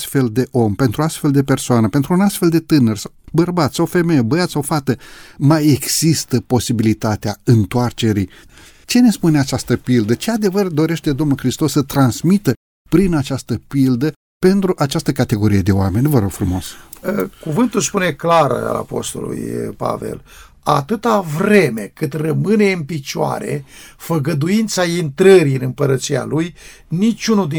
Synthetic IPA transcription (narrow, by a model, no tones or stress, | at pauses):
st̪fe̞ld̪e̞ʔo̞mpe̞nt̪ɾuast̪fe̞ld̪e̞pe̞rsoanəpe̞nt̪ɾuːnast̪fe̞ld̪e̞t̪ɨnərʲsawbərbat̪sawfe̞me̞jebəjat̪sawfat̪əmajeɡz̥ist̪əpo̞sibilit̪at̪eaɨnt̪oart͡ʃe̞ɾij | t͡ʃe̞ne̞spuneat͡ʃast̪əpild̪ət͡ʃead̪e̞vərd̪o̞ɾe̞ʃt̪e̞d̪o̞mnulxɾist̪o̞sːət̪ɾansmit̪ə | pɾinat͡ʃast̪əpild̪ə | pe̞nt̪ɾuʔat͡ʃast̪əkat̪e̞ɡo̞ɾijed̪e̞oame̞nʲvəɾo̞ɡ̥fɾumo̞səkuvɨnt̪ulspune̞klaɾ̰a̰la̰po̞̰st̪o̞̰lṵjpa̰ve̞̰l | a̰t̪ɨt̪avɾe̞me̞kɨt̪rəmɨne̞ɨnpit͡ʃoa̰ɾe̞̰fəɡəd̪uint̪saint̪ɾəɾiɨnɨmpəɾət̪sia̰luj | nit͡ʃʲunud̪i